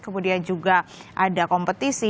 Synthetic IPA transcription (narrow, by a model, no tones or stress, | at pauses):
kəmudiand͡ʒuɡaʔadakɔmpət̪isi